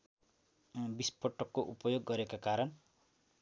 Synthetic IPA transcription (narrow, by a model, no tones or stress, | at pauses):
bispʌʈːʌkːoʔupʌjoɡːʌɾekakaɾʌn